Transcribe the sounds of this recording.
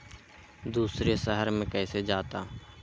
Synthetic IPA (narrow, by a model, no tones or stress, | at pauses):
d̪uːsɾesəɦəɾmẽkɛːsed͡ʒaːt̪aː